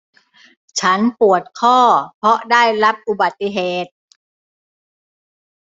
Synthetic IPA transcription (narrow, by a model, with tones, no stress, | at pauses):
t͡ɕʰa˦˥npu˨˩ət̪̚kʰɔː˥˩pʰɔ˦˥daː˥˩jɾa˦˥p̚ʔu˨˧ba˨˩t̪ːi˧˩ɦeː˨˩t̪̚